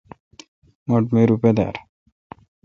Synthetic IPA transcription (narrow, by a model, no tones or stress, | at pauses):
moʈmeɾuped̪a̰ːɾ